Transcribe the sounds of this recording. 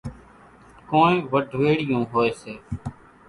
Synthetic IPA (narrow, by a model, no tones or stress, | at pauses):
kõːnẽːʋəɖʱʋeːɽɪjõːɦoːeːseː